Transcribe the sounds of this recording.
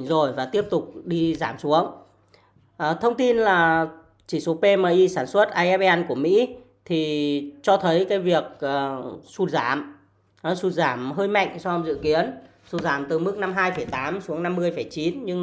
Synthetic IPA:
zo˨˩jvaː˨˩t̪i˦˥əp̚t̪ʊ˨˩k͡p̚ɗi˧zaː˧˩msu˨˦əŋ | ʔːt̪ʰə˧wŋ͡mt̪i˧nlaː˨˩ | t͡ɕi˧˩so˨˦pe˧məː˧˩ʔi˧saː˧˩nswə˦˥t̚ʔaː˧jʔɛ˦˥p̚ɛ˧nku˧˩əmḭ˧˥ | t̪ʰi˨˩t͡ɕɔ˧t̪ʰə˨˦jkaː˨˦jvi˨˩ək̚ʔəː˨˩su˧˩t̚zaː˧˩m˨˦ | su˧˩t̚zaː˧˩mɦəː˧jma̰˧˨jŋ̟sɔ˧zɨ̰˧˨ki˨˦ən | su˧˩t̚zaː˧˩mt̪ɨ˨˩mɨ˦˥k̚na˧mɦaː˧jfə˧˩jt̪aː˨˦msu˨˦əŋna˧mːɨ˧əjfə˧˩jt͡ɕi˨˦nɲɨ˧ŋ

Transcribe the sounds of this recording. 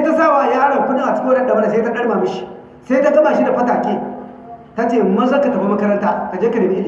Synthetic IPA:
se˦ta˦saː˦˨waː˨jaː˦ɽɐ˨ŋkʷʊ˦ɗɪ˦ŋʔa˨t͡ʃɪ̥˦kʲi˦wɐ˦ɗɐ˦˨ɗɐ˨bɐ˦da˨seː˦ta˦ɗɐ˦ɽmaː˨mɪ˦ʃi̥˦ | sa˦jta˦ɡɐ˦maː˨ʃi˦da˨ɸɐ˦taː˨kʲeː˦ | ta˦t͡ʃeː˨mɐ˦za˦ka˨tɐ˨bi˦mɐ˦kɐ˦ɾɐ˦ntaː˦ka˨d͡ʒeː˦kɐ˨dɐ˨miː˦li˨

